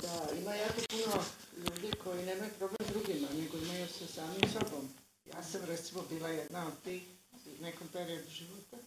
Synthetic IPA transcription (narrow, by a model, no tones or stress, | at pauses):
d̪aimajako̞puno̞ʎuːd̪iko̞jinemajupɾo̞blemzɾuɡimane̞ɡo̞imajusesaːmimso̞bo̞m | ja̰ːsamɾet̪simobiːlajed̪naod̪̚t̪iːxne̞ko̞mpe̞ɾio̞d̪uʒiʋot̪a